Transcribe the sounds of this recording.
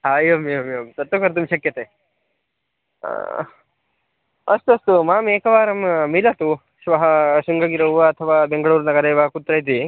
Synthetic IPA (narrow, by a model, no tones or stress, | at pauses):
ɦaːjoːmeɐmeʋɐmsɐt̪ːʋɐkɐɾt̪̬umʃɐkjɐt̪eː | ɐst̪uɐst̪umaːmeːkɐʋaːɾɐmːilɐt̪u | ʃʋɐɦɐʃiŋɡɐɡiɾɐwʋɐɐt̪ʰɐʋaːbeŋɡɐɭuːɾnɐɡɐɾeːʋɐkut̪ːɾɐjt̪̬i